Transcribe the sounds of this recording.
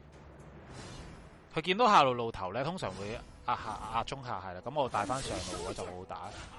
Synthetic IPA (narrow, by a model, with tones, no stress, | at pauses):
kʰɵ˨˧ɥkiː˧nt̪o˨˥wɦaː˨˩lo˨wlo˨wt̪ʰɐ˨˩wlɛː˥t̪ʰʊ˥ŋsœː˨˩ŋwuː˨˧j | aː˧haː˨ʔaː˧t͡ʃʊ˥ŋɦa̰ː˨˧ɦɐ˨jlaː˨˧kɐ˨˥mŋɔː˨˧˩t̪aː˨jfaː˥nsœː˨˩ŋlo˨˧wwɔː˨˧t͡sɐ˨˩wo˨˧t̪a̰ː˨˥